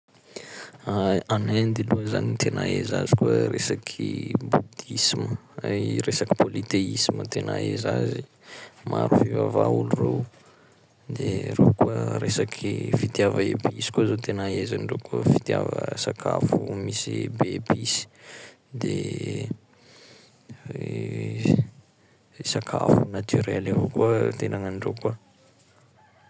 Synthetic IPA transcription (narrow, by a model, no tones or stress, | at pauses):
aanend̪iluəzanint̪ʰenaezazikuəɾesakʰibud̪isiməresaki̥pʰolit̪eisimət̪enaezazi | maɾufivavaulurew | d̪erekuəɾesakʰifit̪javəebeisi̥kuazot̪enaezanɖ͡ʐekufi̥t̪ja̰və̰sakʰafumisiebeebisi̥ | d̪e | sakʰa̰funat̪ʰyɾɛlevokuət̪enaŋaɳɖ͡ʐekuə